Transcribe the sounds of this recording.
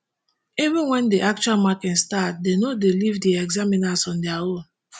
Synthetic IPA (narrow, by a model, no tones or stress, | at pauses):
ivũnwɛ̃ndiʔak̚t͡ʃualmakɛtstat̚denodelivdiɛɡzaminasɔ̃ndiaon